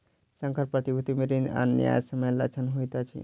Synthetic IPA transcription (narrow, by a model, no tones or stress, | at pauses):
sə̃ŋkʰəɾpɾət̪ibʱut̪imeɾina̰nja̰jsəməjla̰t͡ʃʰənɦojt̪at͡ʃʰḭ